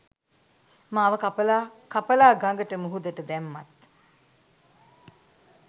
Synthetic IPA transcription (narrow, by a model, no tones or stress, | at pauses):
mãːɐʋəkapəlaːkapəlaːɡaŋɡəʈəmuɦud̪əʈəd̪ɛmːat̪